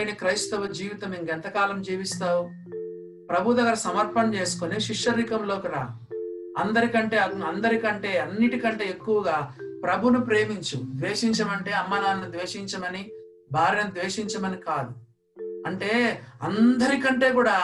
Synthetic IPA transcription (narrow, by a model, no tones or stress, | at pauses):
jnɐkɾɐjst̪ɐʋud͡ʒiːʋit̪ɐmiŋɡɛnt̪ɐkaːlɐmd͡ʒiːʋist̪aːwu | pɾɐbʱud̪ɐɡɐɾɐsɐmɐɾpɐnt͡ʃe̞ːsu̥koniʃiʂːɐɾikɐmlo̞ːkiɾaː | ɐnd̪ɐɾikɐɳʈe̞ːɐɐnd̪ɐɾikɐɳʈe̞ːɐnːiʈikɐɳʈe̞ːekːuʋɐɡaːpɾɐbʱunupɾe̞ːmiɲt͡ʃud̪ʋeːʂiɲt͡ʃɐmɐɳʈe̞ːɐmːɐnaːnnid̪ʋeːʂiɲt͡ʃɐmɐni | bʱaːɾinɐd̪ʋeːʂiɲt͡ʃɐmɐnikaːd̪u | ɐɳʈe̞ːɐ̰nd̪ɐɾikɐɳʈe̞ːkuːɽaː